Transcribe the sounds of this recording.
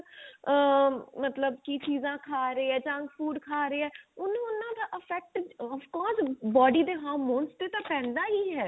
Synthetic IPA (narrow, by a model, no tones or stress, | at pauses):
mət̪ləbkiːt͡ʃiːzãːkʰaːɾiːɛːt͡ʃə̃ŋɡpʰuːɖkʰaːɾeːɛːʊnũːʊnãːd̪aːʔəpʰɛːk̚ʈəfkɔːɾsbɔːɖiːd̪eːɦaːɾmoːnst̪eːt̪ãːpɛ̃ːnd̪aːɦiːɦɛː